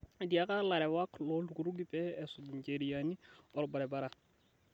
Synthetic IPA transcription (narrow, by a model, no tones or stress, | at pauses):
diakalaɾɛwaklɔlukuɾuɡipɛɛsʊdɲceɾijaniɔɾbaɾɛbaɾa